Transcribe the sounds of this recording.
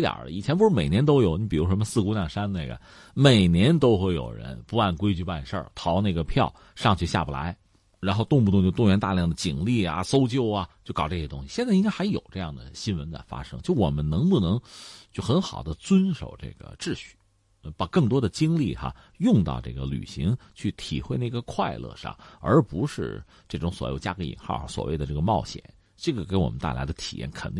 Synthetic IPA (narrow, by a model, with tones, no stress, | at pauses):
t̪jə̰˨˩l̰i˨˩t͡ɕʰjɛ˥np̬ʂɻ̩˥˩me˨˩njɛ˧˥nt̪o˥ʊjo˨˧˥ʊni˧˩pi˨˩ɻu˧˥ʂ̬mə˧sɹ̩˥˧ku˥njɑ˥˩ŋʂa˥nna˥˩ɪɡə̰˩ | me˨˩ɪnjɛ˧˥nt̪o˥ʊxwe˥˩ɪjo̰˨˩ʊɻə̰˧˥npu˧˥a˥˩nkwe˥ɪt͡ɕy˥˧pa˥˧nʂə̰˞˥˩t̪ʰɑ˧˥ʊna˥˩ɡə˩pʰjɑ˥˩ʊ | ʂɑ˥˧ŋt͡ɕʰy˥˧ɕja̰˥˧˩bu˨˩la̰˧˥ɪ | ɻa˧˥nxo˥˧ʊt̪ʊ˥˧ŋpu˥˧t̪ʊ˥˧ŋt͡ɕo˥˧ʊt̪ʊ˥˩ɥɛ˧˥nt̪a˥˧ljɑ˥˩ŋd̪ə˩t͡ɕi˨˩ŋli˥˩a̰˨˩so˥ʊt͡ɕjo˥˩ʊa˩t͡ɕjo˥˩ʊkɑ˨˩ʊʈ͡ʂɤ˥˩ɕjɛ˧˥t̪ʊ˥ŋɕi˧ɕjɛ˥˧nt͡sa˥˩i˥ŋka˥ɪxa˧˥ɪjo˨˩ʊʈ͡ʂɤ˥˧jɑ̰˥˩ŋd̪ə̰˩ɕi˥nwə˧˥nt͡sa̰˥˩ɪfa̰˥ʂɤ˥ŋt͡ɕjo˥˩ʊwɔ̰˨˩mə˦nnɤ˧˥ŋpu˥˩nɤ˧˥ŋt͡ɕjo˥˩ʊxə˧˥nxɑ˨˩ʊd̪ə˦t͡swə˥nʂo̰˨˩ʊʈ͡ʂḛ˥˩ɡə̰˩ʈ͡ʂɻ̩˥˧ɕy̥˥˩ | pa˨˩kɤ˥˩ŋt̪wɔ˥d̪ə˨t͡ɕi˥ŋli˥˩xa̰˨˩ | jʊ˥˧ŋt̪ɑ̰˥˧ʊʈ͡ʂɤ˥˩ɡə˩ly̰˨˩ɕi˧˥ŋt͡ɕʰy˥˩t̪ʰḭ˨˩xwe˥˧ɪna˥˩ɡə˩kʰwa˥˧ɪlɤ̰˥˧ʂɑ̰˥˩ŋə̰˞˧˥pu˧˥ʂɻ̩˥˧ | ʈ͡ʂɤ˥˩ʈ͡ʂʊ˧˥ŋswɔ˧˥jo˧˩ʊt͡ɕja˥kɤ˧˥ḭ˨˩ŋxɑ˥˧˩ʊxswɔ̰˨˩we˥˩ɪd̪ə˩ʈ͡ʂɤ˥˩ɡə˩mɑ˥˩ʊɕjɛ̰˨˩˦n | ʈ͡ʂɤ˥˩ɡə˩ke˧˥ɪwɔ˨˩mə˦nt̪a˥˩ɪla˧˥ɪd̪ə˧t̪ʰi̥̰˨˩jɛ̰˥˩nkʰə˨˩n˥